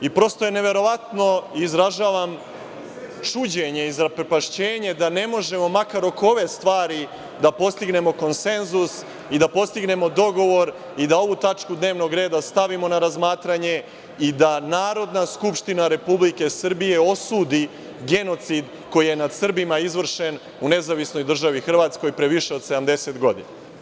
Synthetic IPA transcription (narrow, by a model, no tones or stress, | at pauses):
ipɾo̞st̪ojene̞ʋe̞ɾo̞ʋat̪no̞izɾaʒaːʋam | t͡ʂud͡ʑeɲe̞izɾapɾepaʃt͡ɕeːɲe̞d̪ane̞mo̞ʒe̞mo̞makaɾo̞koʋe̞st̪ʋaːɾi | d̪apo̞st̪iɡne̞mo̞ko̞nse̞nzus | id̪apo̞st̪iɡne̞mo̞d̪o̞ɡo̞ʋo̞ɾ | id̪ao̞ʋut̪at͡ʃkud̪ne̞ːʋno̞ɡɾe̞ːd̪ast̪aʋimo̞naɾazmaːt̪ɾaɲe̞ | id̪anaːɾo̞d̪naskupʃt̪inaɾe̞publike̞sr̩bije̞osuːd̪i | ɡe̞no̞t̪sid̪ | ko̞jije̞nad̪sr̩bimaizʋr̩ʃe̞n | une̞zaʋisno̞jd̪r̩ʒaʋixr̩ʋaːt̪sko̞jpɾeʋiʃe̞od̪se̞d̪amd̪e̞se̞t̪ɡo̞d̪ḭna